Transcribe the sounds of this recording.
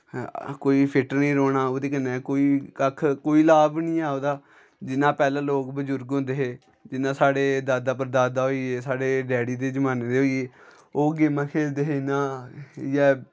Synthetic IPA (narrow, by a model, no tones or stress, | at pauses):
koːiːpʰɪʈəɾnĩːɾoːnaːoːd̪eːkənːeːkoːiːkəkʰkoːiːlaːbnĩːaːoːd̪aː | d͡ʒɪnãːpɛːlãːloːkbəd͡ʒʊɾɡɦõnd̪eːɦeː | d͡ʒɪnãːsaːɽeːd̪aːd̪aːp̬əɾd̪aːd̪aːɦoːieːsaːɽeːɖɛːɽiːd̪eːd͡ʒəmaːneːd̪eːɦoːieː | oːɡeːmãːkʰeːld̪eːɦeːnãːjɛː